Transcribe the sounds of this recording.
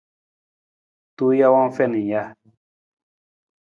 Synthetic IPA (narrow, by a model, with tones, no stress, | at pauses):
tu˦ja˦wa˦fɛ˦˨ni˨ja˦